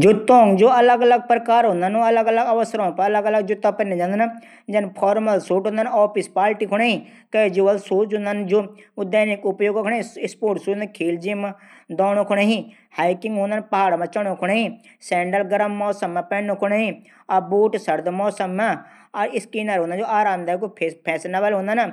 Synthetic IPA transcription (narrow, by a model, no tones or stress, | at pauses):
d͡ʒʊt̪õːŋɡd͡ʒoːɐləɡələɡ̚pɾəkaːɾɦõːnd̪anũɐləɡələɡɐʋəsɾãːpəɐləɡələɡ̚d͡ʒʊt̪ːãːpənẽd͡ʒãːnd̪ən | d͡ʒɐnpʰɔːɾməlsuːʈɦõːnd̪ənɔːpʰɪspaːlʈikʰʊɽeɦĩː | kəd͡ʒuʋəlsuːt͡ʃʊ̃nd̪ənd͡ʒoːʊd̪eːnɪkʊpjoːɡkʰʊñeɪspoːʈsuːkʰiːld͡ʒimd̪ɔːñõːkʰʊɽaːɦĩː | haːikɪŋɡɦõːnd̪aːnpəɦaːɽmãt͡ʃəɽõːkʰʊɽaːɦiː | sɛːɳɖəlɡəɾəmːɔːsəmãːpɛːnõkʰʊɽaːɦi | abuːʈsəɾd̪mɔːsəmːaː | ɾɪskiːnəɾɦõnnd͡ʒoːaːɾaːmd̪aːkopʰːpʰɛːsnaːʋaːlɦõːnd̪ana